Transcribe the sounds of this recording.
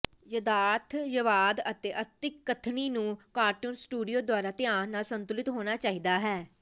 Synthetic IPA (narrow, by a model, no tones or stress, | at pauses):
jəd̪aːt̪ʰjəʋaːd̪ət̪eːʔət̪ɪkːət̪ʰniːnũːkaːɾʈuːnsʈuːɖijoːd̪waːɾaːt̪ɪaːɦnaːsənt̪ʊlɪt̪ɦoːnaːt͡ʃaːiːd̪aːɦɛː